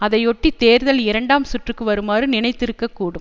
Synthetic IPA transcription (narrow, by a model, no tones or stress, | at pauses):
ɐðɐɪɔʈːit̪eːɾðɐlɪɾɐɳɖaːmsʊʈrɯkːɯʋɐɾɯmaːrɯnɪnɐɪt̪ːɪɾɯkːɐkːuːɽɯm